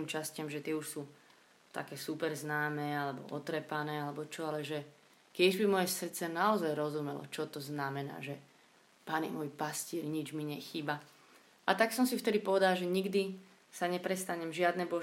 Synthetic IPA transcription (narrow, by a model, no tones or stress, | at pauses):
mt͡ʃascɪamʒɛt̪ɪɛuʃsuː | t̪a̰kɛːsupɛɾznaːmɛːalɛbɔ̰ʔɔt̪ɾɛpanɛːalɛbɔt͡ʃɔalɛʒɛ | kjɛʒbimɔjɛsr̩t̪t͡sɛnaɔzajɾɔzumɛlɔ̰t͡ʃɔt̪ɔznamɛna̰ːʒɛ | panɛ̰mɔjpascɪɛɾɲid͡ʒmiɲɛxiːba | ʔat̪aksɔmsift̪ɛd̪ipɔʋɛd̪alʒɛɲiɡd̪i | saɲɛpɾɛst̪aɲɛmʒɪad̪nɛbɔ